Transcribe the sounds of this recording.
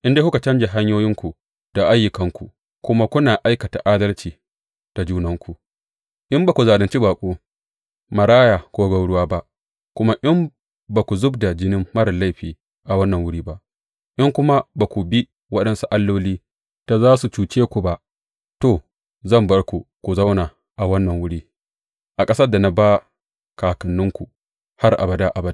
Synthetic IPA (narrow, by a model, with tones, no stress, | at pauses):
ʔɪ˦nde˦hu˦ka˨t͡ʃɐ˦nd͡ʒe˨ɦa˦ɲjoː˦jɪ˦ŋkʷu˨ | d̥a˨ʔa˦jːʊ˨kɐ˦ŋkʷu˨ | kʷʊ˦ma˦kʷʊ˦naː˨ʔa˦jkɐ˨ta˨ʔaː˦dɐ˦lt͡ʃiː˨ | d̥a˨d͡ʒuː˦nɐ˦ŋkʷu˨ | ʔɪ˦mbaː˨kʷu˨zaː˨dɐ˨nt͡ʃi˦baː˨kʷʼoː˦ | mɐ˨ɽaː˦ja˨koː˦ɡɐ˦wɽʊ˦waː˦ba˦ʔ | kʷʊ˦ma˦ʔɪ˦m | ba˨kʷu˨zʊ˦bda˨d͡ʒɪ˦nɪ˦mːɐ˦ɽɐ˨la˦˨jɸiː˨ | ʔa˨wɐ˦nːɐ˨ŋwʊ˦ɽiː˦ba˦ʔ | ʔɪ˦ŋkʷʊ˦ma˦baː˨kʷu˨bi˦ | wɐ˦ɗɐ˦nsu˦ʔa˦lːoː˦liː˦ | ta˨zaː˦su˨t͡ʃuː˨t͡ʃeː˦kʷu˨ba˦ʔ | toː˨ | zɐ˦˨mbɐ˦ɽkʷu˨kʷu˨zɐ˦wnaː˨ | ʔa˨wɐ˦nːɐ˨ŋwʊ˦ɽiː˦ | ʔa˨kʼɐ˦sɐ˦da˨na˨baː˦ | kaː˨kɐ˨nːʊ˦ŋkʷu˨ | ha˦rʔa̰˨bɐ˨da˦ʔa˨ba˦d